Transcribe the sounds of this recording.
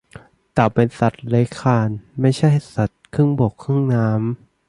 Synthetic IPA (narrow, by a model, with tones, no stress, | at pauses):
t̪ɛː˨˩pe˧nsa˨˩t̪̚le˨˦˥jkʰaː˧nma˥˩jt͡ɕʰa˥˩jhsa˨˩t̪̚kʰɯ˥˩ŋbo˨˩kʰːɯ˥˩ŋnaː˦˥m